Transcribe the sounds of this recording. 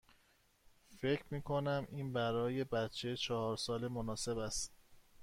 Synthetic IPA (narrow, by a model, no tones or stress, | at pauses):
fe̞cʰɾmiːkʰo̞næmʔiːnbæɾɒːje̞bæt̪t͡ʃʰet͡ʃʰɒhɒːɾsɒːle̞monɒːse̞bæst̪